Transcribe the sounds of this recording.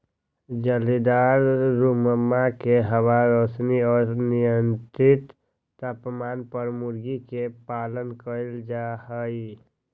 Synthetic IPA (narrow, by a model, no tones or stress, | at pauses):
d͡ʒəlid̪aɾɾuməmːakeɦəwaɾəsniɔːɾnijənt̪ɾɪt̪ː | əpmanpəɾmuɾɡikepalənkəld͡ʒahəi